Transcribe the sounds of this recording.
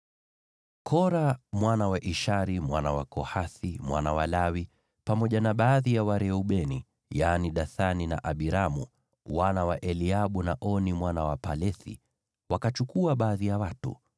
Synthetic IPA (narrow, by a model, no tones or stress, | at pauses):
kʰɔɾamwanawaʔiʃaɾimwanawakɔhaθimwa̰nawalawi | pamɔʄanaɓaːðijawaɾɛuɓɛnḭ | janiɗaθanina̰ʔaɓiɾamṵ | wanawaʔɛliaɓunaʔɔnimwanawapalɛθḭ | wakat͡ʃukuaɓaːðijawatṵ